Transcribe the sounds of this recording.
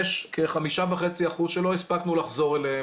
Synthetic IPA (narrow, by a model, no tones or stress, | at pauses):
ʃkeχamiʃaveχe̞t͡siaχuzʃelo̞ispaknulaχzo̞ʁele